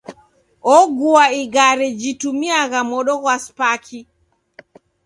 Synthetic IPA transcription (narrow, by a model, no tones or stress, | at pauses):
ɔɡuaiɡaɾɛd͡ʒitumiaɣamɔɗɔɣwaspakʰi